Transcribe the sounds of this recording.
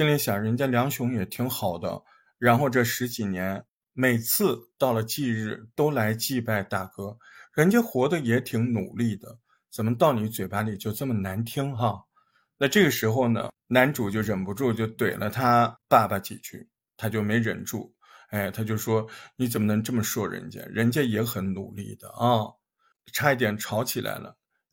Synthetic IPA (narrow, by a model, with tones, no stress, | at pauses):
ɕi˥ŋli˧˥ɕjɑ˨˩ɻə˧˥nt͡ɕja˥ljɑ˧˥ŋɕjʊ˧˥ŋjɛ˨˩t̪ʰi˧˥ŋxɑ˨˩ʊd̪ə̰˦ | ɻa˧˥nxo˥˧ʊʈ͡ʂɤ˥˩ʂɻ̩˧˥t͡ɕi˨˩njɛ˧˥n | me˨˩ɪt͡sʰɹ̩˥˧t̪ɑ˥˩ʊlə˩t͡ɕi˥˧ɻɻ̩˥˩t̪o˥ʊla˧˥ɪt͡ɕi˥˧pa˥˧ɪt̪a˥˩kɤ˥ɻə˧˥nt͡ɕjɛ˥nxwɔ˧˥d̪ə˧jɛ˧˥t̪ʰi˧˥ŋnṵ˨˩li˥˩d̪ə̰˩ | t͡sə˨˩mə˦t̪ɑ˥˩ʊni˧˥t͡swe˨˩ɪpa˧˥li˨˩t͡ɕjo˥˧ʊt͡sə˥˩mə˩na˧˥nt̪ʰi˥ŋxa˥˧ | na˥˧ʈ͡ʂɤ˥˩ɡə˩ʂɻ̩˧˥xo˥˧ʊnə̰˩ | na˧˥nʈ͡ʂu˨˩t͡ɕjo˥˩ʊɻə˨˩npu˧˥ʈ͡ʂu˥˩t͡ɕjo˥˩ʊt̪we˨˩ɪlʔə˦t̪ʰa˥pa˥˩ba˨˩t͡ɕḭ˨˩t͡ɕʰy̰˥˩ | t̪ʰa˥t͡ɕjo˥˩ʊme˧˥ɪɻə̰˧˩nʈ͡ʂṵ˥˩ | e˥˩ɪt̪ʰa˥t͡ɕjo˥˩ʊʂwɔ˥ni˧˥t͡sə˨˩mə˦nɤ˧˥ŋʈ͡ʂɤ˥˩mə˩ʂwɔ˥˩ɻə̰˧˥nt͡ɕjɛ̰˥ɻə˧˥nt͡ɕjɛ˥jɛ˧˥xə˨˧˥nnṵ˨˩lḭ˥˩d̪̥ə̰˩ɐ˥˩ | ʈ͡ʂʰa˥i˥˩t̪jɛ˨˩nʈ͡ʂʰɑ˧˥ʊt͡ɕʰi˨˩lʔa̰˧˥ɪlə̰˧